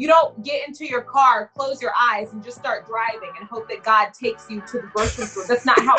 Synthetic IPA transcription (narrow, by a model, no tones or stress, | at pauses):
jɨɾõʊ̃n̚ɡ̥ɛɾɪ̃ntʰʉjə˞kʰɑɹkʰl̥oʊzjə˞ʔaɪzn̩d͡ʒʌststɑɹt̚d̥ɹaɪvɪ̃ŋɨ̃nɦoʊp̚ðɨt̚ɡ̥ɑd̚tʰeɪksjɨɾɨðəbɜ˞sə̃nfuðætsnə̰t̚ɦaʊ